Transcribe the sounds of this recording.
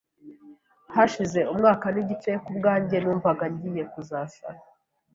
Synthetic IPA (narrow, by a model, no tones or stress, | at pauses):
haʃize̞umŋaːkaniɟit͡ʃe̞kubɡaːɲɟe̞nuːɱvaɡaɲɟije̞kuzaːsa̰